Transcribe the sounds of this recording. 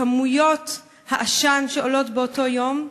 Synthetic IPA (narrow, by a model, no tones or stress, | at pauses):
amujo̞t | haʔaʃanʃeolo̞tbeoto̞jo̞m